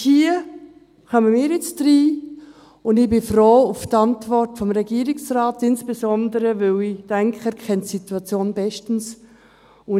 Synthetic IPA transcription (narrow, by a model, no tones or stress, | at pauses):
hiːə | χœməmɪːɾjɪt͡sd̥ɾiː | ʊndɪbɪfroːʊftantvɔrtfɔmɾɛɡiːɾɪksraːtɪnsb̥ezɔndəɾəvɛlid̥ɛŋkχəɾkχɛntsituat͡sjoːnbɛʃtən̩s | ʊ